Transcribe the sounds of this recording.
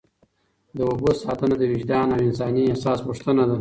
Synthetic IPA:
d̪əwʊbosɑt̪ənad̪əwid͡ʒd̪ɑnawɪnsɑːniasɑːspuʂt̪ənad̪a

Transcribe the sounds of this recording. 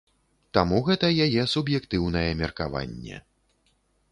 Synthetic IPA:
t̪amuɣɛt̪ɐjajɛsubjɛkt̪ɨwn̪ɐjɛmʲɛrkava̰nʲːɛ̰

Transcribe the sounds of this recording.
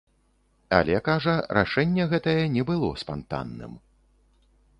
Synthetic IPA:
ɐ̰lʲɛkaʐɐɾʔa̰ʂɛnʲːɛɣɛt̪ɐjɐnʲɛbɨlˠɔspant̪a̰nːɨ̰m

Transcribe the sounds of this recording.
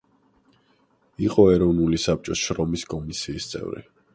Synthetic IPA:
iqʼɔɛɾɔvnulisap̚t͡ʃʼɔsʃɾɔmiskʼɔmisiːst̪sʼɛ̰vɾḭ

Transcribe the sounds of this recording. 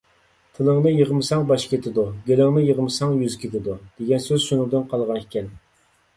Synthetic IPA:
t̪ʰɨlˠəŋnɨjəʁmɨsɑŋbɑʃkʲʰet̪ʰɪd̪uɡʲelɪŋnɨjəʁmɨsɑŋjyzkʲʰet̪ɪd̪ud̪̥eɡʲɛnsøzʃunɨŋd̪ɨnqʰɑlˠʁɑnʰekʲɛn

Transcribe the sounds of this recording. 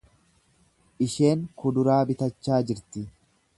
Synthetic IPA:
ʔɪʃe̞ːŋkʊd̪ʊɾaːbɪt̪ɐt͡ʃːaːd͡ʒɪɾt̪ɪ

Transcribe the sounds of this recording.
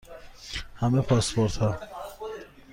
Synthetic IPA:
hæmepʰɒspoɾt̪ʰhɒ

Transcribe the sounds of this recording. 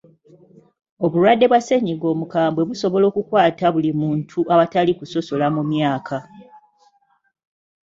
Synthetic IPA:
o̞βulwadːe̞βwase̞ɲiɡo̞ːmukaːmbwe̞βuso̞βo̞lo̞ːkukwaːtaβulimuːntʰuʔaβatalikuso̞so̞lamumjaːkʰa

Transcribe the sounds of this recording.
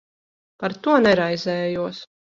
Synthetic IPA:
paɾt̪uɔnɛɾajzɛːjuɔs

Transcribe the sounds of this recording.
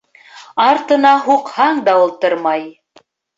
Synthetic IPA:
ɑɾt̪ɤ̆nɑɦuqhɑɴd̪ɑulˠt̪ɤɾmɑj

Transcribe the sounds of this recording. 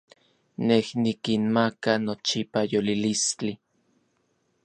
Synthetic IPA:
nehnikinmakanot͡ʃipajolilist͡ɬi

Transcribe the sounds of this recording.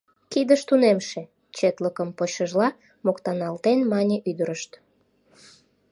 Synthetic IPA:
kid̪əʃt̪unemʃe̽ | t͡ɕet̪ləkəmpoɕəʒlɑ | mokt̪ɑnɑlt̪enmɑnʲeʔyd̪əɾəʃt̪

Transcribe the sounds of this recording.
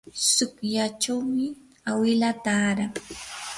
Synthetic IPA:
sʊkjat͡ʃawmɪ | awɪlat̪aːɾa

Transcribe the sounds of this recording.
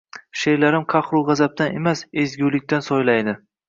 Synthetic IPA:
ʃe̞ɾlaɾɪmqʰɑχɾʊʁɑzap̚t̪ane̞masezɡʲulɪk̚ʲt̪ansɒjlajd̪ɪ

